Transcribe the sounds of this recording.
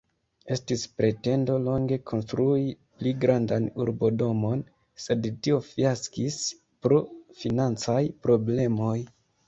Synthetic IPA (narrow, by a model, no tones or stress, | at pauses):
e̞stispɾe̞te̞ndo̞lo̞ŋɡe̞kʰo̞nstɾui | pliɡɾandanuɾbo̞do̞mo̞n | se̞dtio̞fiaskis | pɾo̞finant͡sajpɾo̞ble̞mo̞j